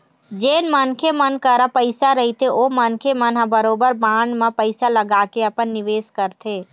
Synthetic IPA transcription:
d͡ʒeːnmənkʰemənkəɾapəɪsaɾəɦit̪ʰeʔoːmənkʰemənabəɾoːbəɾbaːɳɖmãpəɪsaləɡaːkeɐpənːɪʋeːskəɾt̪ʰeː

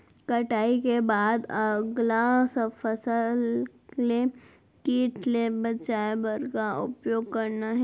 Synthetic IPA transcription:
kɐʈaːikebaːd̪ɐɡlasəfəsəl | le | kiːʈʰlebɐt͡ʃaːebəɾkaʊ̰pjoːɡ̚kɐɾnaɦɛ

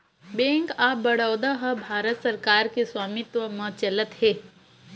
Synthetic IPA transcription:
bẽːŋkaːbɐɽəːd̪aɦɐbʱaːɾət̪sɐɾkaːɾkeswaːmɪt̪ʋəmɐ̃t͡ʃɐlət̪hɛː

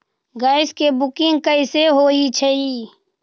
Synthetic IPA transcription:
ɡaːɪskebʊkɪ̃ŋɡkəɪseɦoːit͡ʃʰəiː

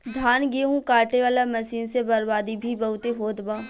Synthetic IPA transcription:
d̪ʱaːnɡiɦũkaːʈeʋaːlamɐsiːnsebɐɾbaːd̪ibʱibɐɦʊt̪eɦoːd̪bãː

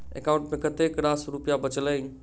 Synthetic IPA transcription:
ḛkaʊ̃ɳʈmẽkət̪ekɾasɾupjabət͡ʃləj

